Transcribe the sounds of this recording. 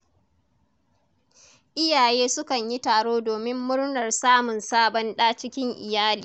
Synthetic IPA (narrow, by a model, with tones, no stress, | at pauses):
ʔɪ˦jaː˨jeː˦sʊ˦kɐ˨ɲji˦taː˨ɽoː˦doː˨mɪ˦mːʊ˦ɽnɐ˨rsaː˦mʊ˨nsaː˦bɐ˦nɗaː˦t͡ʃɪ˦kʲɪ˦ŋʔɪ̰˨jaː˦liː˨